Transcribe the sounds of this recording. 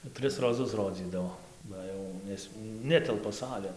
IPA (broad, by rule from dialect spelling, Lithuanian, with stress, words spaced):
ˈtʲrʲɪs roːˈzʊs ˈroːd͡zʲiːdɐʋoː ˈbɐ jɛʊ ˈnʲɛs ˈnʲæːtʲɛlˠpɐ ˈsɑːlʲeːn